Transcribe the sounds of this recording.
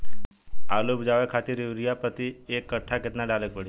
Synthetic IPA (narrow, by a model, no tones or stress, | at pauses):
alupd͡ʑaʋakʰat̪iːɾiʋɾijapɾət̪iekːəʈʰaket̪naɖalekʋəɽi